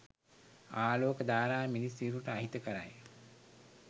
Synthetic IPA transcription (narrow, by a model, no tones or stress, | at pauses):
aːloːkəd̪aːɾaːminisiːɾuʈəaɦit̪əkəɾa̰j